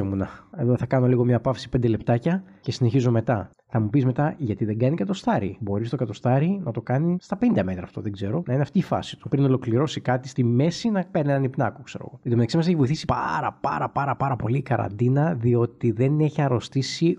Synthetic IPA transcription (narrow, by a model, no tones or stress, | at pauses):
emunɐe̞ðoθɐkɐno̞liɣo̞mɲɐpɐfsi̥pe̞nd̪ele̞pt̪ɐcɐce̞sine̞çizome̞t̪ɐ | θɐmupizme̞t̪ɐʝɐt̪iðe̞ŋɡɐnikɐt̪o̞st̪ɐɾḭbo̞ɾist̪o̞kɐt̪ost̪ɐɾinɐt̪o̞kɐnist̪ɐpend̪eme̞t̪ɾɐːft̪o̞̰ðeɡze̞ɾo̞nɐineɐft̪iːfɐ̰si̥t̪u̥pɾino̞lo̞kliɾo̞sikɐt̪ist̪ime̞sinɐkɐnienɐnipnɐ̰kokse̞ɾo̰ɣo̞iðomit̪ɐksimɐse̞çivo̞iθisi̥pɐ̰ɾɐ̰pɐ̰ɾɐpɐɾɐpɐɾɐpo̞likɐɾɐ̰nd̪inɐðio̞t̪iðe̞neçɐɾo̞st̪isi